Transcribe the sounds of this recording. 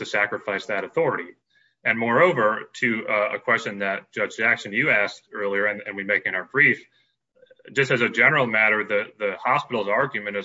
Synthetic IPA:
tɨsækɹɨfaɪsðɨɾɨθɔɹɨɾi | ɨ̃nmɔɹoʊvə˞ɾʰɨə̰kʰw̥ɛst͡ʃɨ̃nðɨt̚d̥ʒ̥ʌd͡ʒzækʃɨ̃njɨæstɜ˞lˠiə˞ɨ̃nɨ̰̃nwimeɪkɨ̃ŋaə˞bɹif | d̥d͡ʒʌstɨzɨd͡ʒɛnə˞l̩ˠmæɾə˞ðɨðɨhɑspɪɾl̩ˠzɑɹɡjɨmɨ̃ɾ̃ɨz

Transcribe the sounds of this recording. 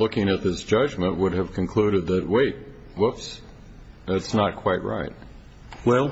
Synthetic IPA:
lʊkɪ̃ŋɨt̪̚ðɪsd̥ʒ̥ʌd͡ʒmə̃nʔwʊɾɨv̥kʰɨ̃nkʰl̥ʉɾɨd̪̚ðɨt̚weɪt̚ | wʊps | ðætsnət̚kʰw̥aɪt̚ɹa̰ɪt̚ | wɛlˠ

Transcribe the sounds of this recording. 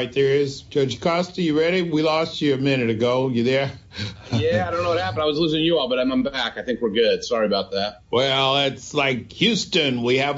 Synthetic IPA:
ɪt̪̚ðə˞ɪz̥d͡ʒoʊd͡ʒkʰɑstijəɹɛɾiwilɔst͡ʃɨɨmɪnɨɾɨɡoʊjə˞ðə˞ | jæaɪdõʊ̃noʊwʌthæpə̃n̩daɪwʌzlʉsɪ̃ŋjɨɔbʌɾãɪ̃mʌ̃mbækaɪθɪ̃ŋkwəɹɡʊd̥sɑɹiɨbaʊt̪̚ðæt̚ | wɛlˠɪtslaɪkhjʉstɨ̃nwiɨv

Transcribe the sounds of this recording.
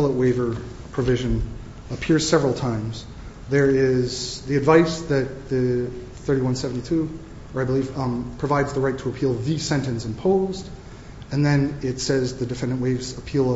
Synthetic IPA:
lˠəʔ̚weɪvə˞ | pʰɹ̥ɨvɪʒɨ̃n | əpʰɪɹz̥sɛvɹl̩ˠtʰãɪ̃mz | ðə˞ɪz̥ðiɨdvaɪsðɨt̪̚ðɨ | θɜ˞ɾiwʌ̃nsɛvn̩titʰʉ | ə˞aɪbəliv̥pʰɹ̥ɨvaɪdzðəɹaɪtʰəəpʰilˠðɨsɛ̃ntɨ̃nsɨ̃mpʰoʊzd | ɨ̃nðɨ̃nɪtsɛzðɨdɨfɛ̃ndɨ̃nʔweɪvzəpʰilˠ

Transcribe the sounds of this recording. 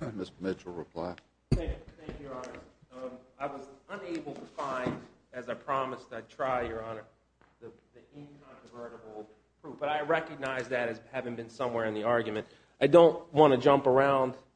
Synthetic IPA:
mɪsmɪt͡ʃl̩ˠɹɪpʰl̥a̰ɪ | æ̃kθæ̃ŋkjə˞ɑnəs | aɪwʌzə̃neɪbl̩ˠtʰəfãɪ̃ndɨzaɪpʰɹ̥ɑməstaɪtʰɹ̥aɪjə˞ɑnə˞ | ðəðiɪ̃nkʰɑ̃ntɹ̥əvɜ˞ɾəbl̩ˠ | pʰɹ̥ufb̥ʌɾaɪɹɛkɨɡ̚naɪzðɨɾɨzhævɪ̃ŋbɨ̃nsʌ̃mwɛɹɨ̃nðiɑɹɡjmɨ̃nt | ʔaɪdõʊ̃nʔwɑ̃ñɨd͡ʒʌ̃mpə˞ãʊ̃nd̥

